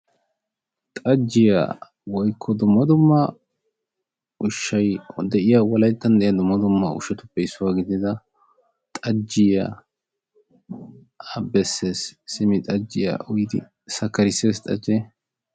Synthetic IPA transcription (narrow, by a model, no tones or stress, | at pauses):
t̪ʼɐd͡ʒːɪja̰ | wɔjkʰːɔd̪ʊmːɐd̪ʊmːɐ | ʊʃːɐjd̪ɛʔɪjawɔlɐjt̪ːɐnd̪ɛʔjɐd̪ʊmːɐd̪ʊmːɐʊ̰ʃɛt̪ʊpːɛɪsːʊwaːɡɪd̪ɪd̪ɐ | t̪ʼɐd͡ʒːɪja | ɐbɛsːe̞ːsːɪmɪt̪ʼɐd͡ʒːɪja̰ʔʊjɪd̪ɪ̰ | sɐkːɐɾɪseːst̪ʼɐ̰d͡ʒeː